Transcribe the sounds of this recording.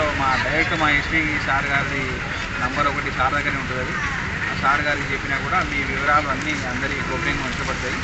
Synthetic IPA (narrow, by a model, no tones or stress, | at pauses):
soːmaːd̪ɐjɐʈːumaːespiːsaːɾɡaːɾli | nɐmbɐɾɔkɐʈisaːɾd̪ʱɐkːɐneːuɳʈund̪ɐd̪i | aːsaːɾɡaːɾlit͡ʃe̞pːinaːkuːɽaːmiːʋiʋɐɾaːlɐɐnːiːɐnd̪ɐɾiɡoɡɾiŋnuʋɐɲt͡ʃɐpɐɽɐt̪aːji